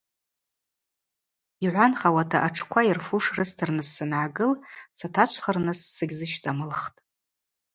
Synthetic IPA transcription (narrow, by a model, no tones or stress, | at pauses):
iʕʷanχawatʰa̰ʔaʈ͡ʂʰkʷʰairfuʂrɨstʰɨrnɨzːɨnʕaɡɨlsatʰat͡ʃʷʰχarnɨsːɨɡʲzɨʃtʼamɨlχtʼ